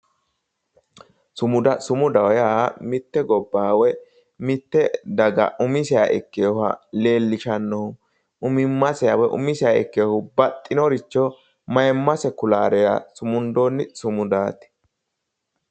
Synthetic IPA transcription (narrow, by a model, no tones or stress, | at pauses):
sʊmʊd̪ɐsʊmʊd̪ɐwjamɪt̪ːɛɡɔbːaːwɛ | mɪt̪ːɛd̪ɐɡɐ̰ʔʊmɪsɪjaʔɛkːejɔhɐ̰leːlːɪʃɐnːɔʊ | ʊmɪmːɐsɛjawɛʔʊ̰mɪsɪjaɛ̰kːeɔhʊbɐt̪ʼːɪnɔɾɪt͡ʃːɔ | mɐjɛmːɐsɛkʊlaːɾɛja̰sʊmʊnd̪oːnːɪsʊmʊd̪aːt̪ɪ̥